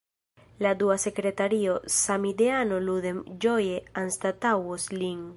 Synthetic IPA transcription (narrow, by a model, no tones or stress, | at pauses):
lad̪uasekɾet̪aɾiosamid̪eanoluðemd͡ʒojeanst̪at̪awosliŋ